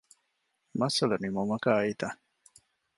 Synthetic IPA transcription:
mɐsɐlɐnimomɐkaːit̪a

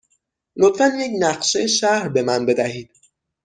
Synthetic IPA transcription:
lot̪fænjecnæɢʃejeʃæhɾbe̞mænbe̞d̪æhiːd̪̥̚

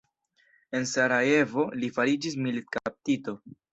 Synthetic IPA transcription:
e̞nsaɾae̞vo̞lifaɾid͡ʒis̬milit̚kap̚tito̞

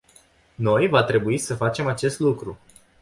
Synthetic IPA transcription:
no̞jvat̪ɾe̞buisəfat͡ʃe̞mat͡ʃe̞st̪lukɾu

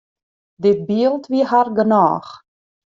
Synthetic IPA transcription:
dɪt̚biəlˠtʋiəɦarɡəna̰ːx

